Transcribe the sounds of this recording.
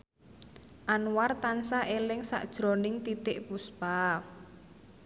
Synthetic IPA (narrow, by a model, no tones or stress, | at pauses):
ʔanwart̪ansaʔelɪŋsa̰ʔd̥ʒ̥ɾo̤nɪŋt̪it̪ɪʔpusb̥a